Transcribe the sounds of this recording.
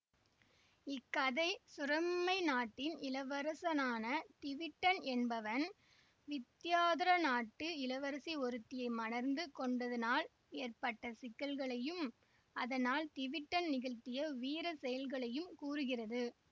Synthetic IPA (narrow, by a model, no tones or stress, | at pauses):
ɪkːɐðɐɪsʊɾɐmːɐɪnaːʈːɪnɪlɐʋɐɾɐsɐnaːnɐt̪ɪʋɪʈːɐnɛnbɐʋɐn | ʋɪt̪ːjaːðɪɾɐnaːʈːɯɪlɐʋɐɾɐsiɔɾɯt̪ːɪjɐɪmɐnɐɾnd̪ɯkɔɳɖɐðɐnaːl | eːrpɐʈːɐsɪkːɐlɣɐɭɐjɯm | ɐðɐnaːlt̪ɪʋɪʈːɐnnɪɣɐɭt̪ːɪjɐʋiːɾɐsɛjɐlɣɐɭɐjɯmkuːɾɯɣɪrɐðɯ